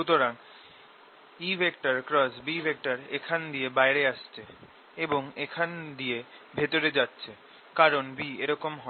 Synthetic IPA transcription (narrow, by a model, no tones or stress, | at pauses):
ut̪oɾan | ibʱekʈaɾkɾɔsbibʱek̚ʈaɾḛkʰand̪ijebaeɾeaʃt͡ɕʰe | eboŋekʰand̪iebʱet̪oɾed͡ʑatːɕʰe | kaɾonbieɾɔkomɦɔ